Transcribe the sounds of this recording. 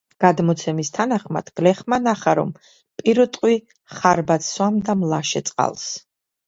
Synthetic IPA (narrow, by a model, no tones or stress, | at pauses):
ɡ̥ad̪mɔt̪sʰɛmist̪ʰanaχma̰d̪̥ɡ̥lɛχmanaχaɾɔ̰m | pʼiɾɔt̪ʼqʼwi | χaɾbat̪swamd̪amlˠaʃɛt̪sʼqʼa̰lˠs